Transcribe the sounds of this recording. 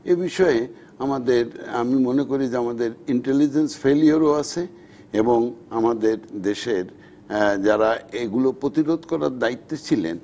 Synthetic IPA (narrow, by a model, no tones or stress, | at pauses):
ebiʃɔe | amad̪eɾamimonekoɾid͡ʑeamad̪eɾiɳʈelid͡ʑensfelioɾoat͡ɕʰe | eboŋamad̪eɾd̪eʃeɾ | d͡ʑaɾaeɡulopɾot̪iɾod̪ʱkɔɾaɾd̪ait̪ːot͡ɕʰilḛn